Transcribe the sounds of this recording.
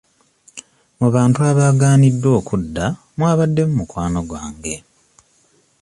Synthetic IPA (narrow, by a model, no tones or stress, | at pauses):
muβaːntuaβaːɡaːnidːo̞ːkudːa | mwaːβadːe̞mumukwaːno̞ɡwa̰ːŋɡe̞